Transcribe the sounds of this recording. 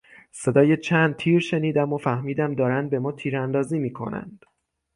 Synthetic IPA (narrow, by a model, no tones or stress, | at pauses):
se̞d̪ɒːje̞t͡ʃʰænd̪̚t̪ʰiːɾʃe̞niːd̪æmofæhmiːd̪æmd̪ɒːɾænd̪̚be̞mɒːt̪ʰiːɾænd̪ɒːziːmiːkʰo̞̰næ̰nd̪̥